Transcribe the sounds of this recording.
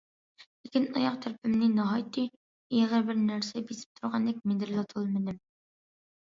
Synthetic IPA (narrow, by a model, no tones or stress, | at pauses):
ikɘnɒjɑqt̪ʰɵ̆ɾpɘ̆mninɑɦɑjt̪i | iæʁæɾbɘɾnæɾsæbisɘ̥p̚t̪ʰŏɾʁɑnd̪ik̚mind̪ɘɾlɑt̪ʰɤ̆lˠɤmɘ̆nɘm